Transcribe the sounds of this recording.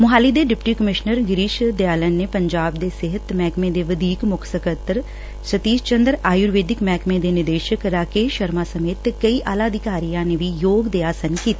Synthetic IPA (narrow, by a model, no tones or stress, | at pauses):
mʊɦaːlid̪eːɖɪpʈiːkəmɪʃnəɾɡɪɾiːʃd̪jaːlənːepəɲd͡ʒaːbd̪eːsɪɦət̪mɛːkʰmẽːd̪eːʋəd̪iːkmʊkʰsəkət̪ɾ | sət̪iːd͡ʒt͡ʃənd̪ɾaːjuɾʋeːd̪ɪkmɛːkʰmẽːd̪eːnɪɾd̪eːʃəkɾaːkeːʃəɾmaːsəmeːt̪kəiʔaːlaːd̪ɪkaːɾijãːneʋijoːɡd̪eːaːsənkiːt̪a